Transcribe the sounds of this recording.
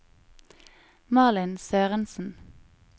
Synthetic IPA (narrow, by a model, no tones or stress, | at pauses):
mɑːlɪnsøːʁənsn̩